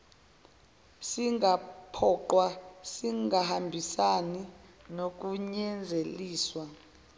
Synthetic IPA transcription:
siŋʱapʰɔǃwasiŋʱahambʱisaninok̬uɲɛnd͡zʱeliːswa

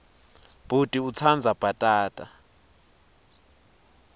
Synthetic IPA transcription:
b̥ʱud̥ʼiut͡sʰand͡zʱab̥ʱatʼaːtʼa

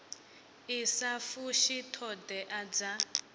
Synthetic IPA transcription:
isafuʃitʰɔdɛʔad͡za

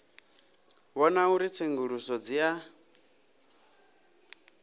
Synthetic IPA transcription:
wɔnauɾit͡sʰeŋɡuɺusɔd͡zija

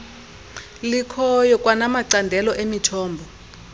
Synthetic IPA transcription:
likʰɔjɔkʼwanamaǀandʱɛlɔʔemitʰɔːmbʱɔ

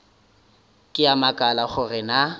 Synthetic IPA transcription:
kʼɪjamakʼalaχʊrɪna

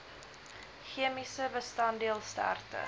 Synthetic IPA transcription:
χiəmisəbəstɑndiəlˠstæ̰rtə̰

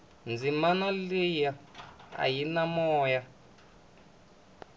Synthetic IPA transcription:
nd͡zimanɔlejaa̰jinamɔːja

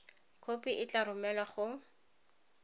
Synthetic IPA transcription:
kʰopʼiʔɪt͡ɬarʊmɛlwaχʊ

